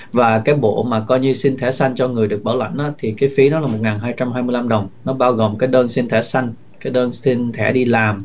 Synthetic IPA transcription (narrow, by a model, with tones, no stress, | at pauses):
vaː˨˩kaː˨˦jɓo̰˧˨maː˨˩kɔ˧jɲɨ˧si˧nt̪ʰɛ˧˩sa˧jŋ̟t͡ɕɔ˧ŋɨ˨˩əjɗɨ˨˩ək̚ɓaː˧˩wa̰˧˨jŋ̟ʔaː˨˦t̪ʰi˨˩kaː˨˦jfi˨˦nɔ˨˦laː˨˩mo˨˩t̚ŋaː˨˩nɦaː˧jt͡ɕa˧mɦaː˧jmɨ˧əjla˧mɗə˨˩wŋ͡mnɔ˨˦ɓaː˧wɣo˨˩mkaː˨˦jɗəː˧nsi˧nt̪ʰɛ˧˩sa˧jŋ̟ | kaː˨˦jɗəː˧nsi˧nt̪ʰɛ̰˧˩ɗi˧laː˨˩m